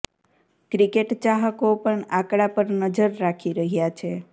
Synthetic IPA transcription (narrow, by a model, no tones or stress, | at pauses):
kɾikeʈt͡ʃaɦəkopəɳakɽapəɾnəd͡ʒəɾːakʰiɾəɦjat͡ʃʰe